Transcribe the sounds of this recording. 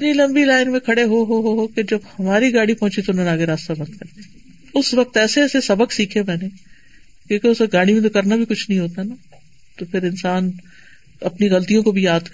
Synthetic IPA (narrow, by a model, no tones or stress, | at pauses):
ɐpnilɐ̃mbilaːɪnmẽkʰɐɽeɦoɦoɦoɦoked͡ʒɐbhɐmaːɾiɡaːɽipɔɦʊ̃t͡ʃit̪oʊnɦõnaːɡeɾaːst̪abɐ̃nd̪̚kɐɾt̪eɛ̃ | ʊsʋɐk̚t̪ɛːseːsesɐbəksiːkʰemɛ̃ːne | kjõːkeʊseɡaːɽ̃imẽt̪̬okɐɾnabʱikʊt͡ʃʰnəɦĩɦoːt̪aɦɛna | t̪opʰɪɾɪnsaːn | ɐpniɣɐlt̪ijõkobʱijaːd̪k